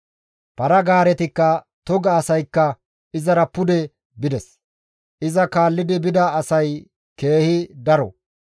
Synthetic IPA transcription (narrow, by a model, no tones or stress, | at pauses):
pɐɾɐɡaːɾɛt̪ɪkːɐ | t̪ɔɡɐːsɐjkːɐ | ɪzɐɾɐpːʊd̪ɛ | bɪd̪ɛs | ʔɪzɐkaːlːɪd̪ɪbɪd̪ɐːsɐj | ke̞ːhɪd̪ɐɾɔ̰